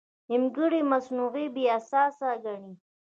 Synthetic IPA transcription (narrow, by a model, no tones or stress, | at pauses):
ɪmɡiɽimasnuɣebiasɑːsaɡaɳi